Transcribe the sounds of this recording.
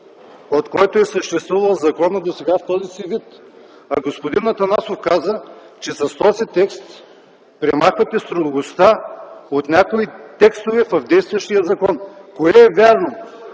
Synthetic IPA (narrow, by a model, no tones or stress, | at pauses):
ot̪kɔjt̪oɛsəʃt̪ɛst̪vuvɐlˠzɐkɔnəd̪osɛɡaft̪ɔzisivit̪ | ɐɡospod̪inɐt̪ɐnasofkazə | t͡ʃɛsɐst̪ɔzit̪ɛkst̪ | pɾɛmaxvɐt̪ɛst̪ɾod̪ɡost̪aot̪nʲakoit̪ɛkst̪ovɛfɐvd̪ɛjst̪vɐʃt̪ijəzɐkɔnkoɛɛvʲaɾno